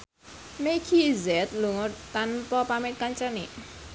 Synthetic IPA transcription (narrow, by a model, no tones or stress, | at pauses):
mekʰizɛt̪̚luŋʊt̪anpɔpamɛt̪̚kant͡ʃəniʔ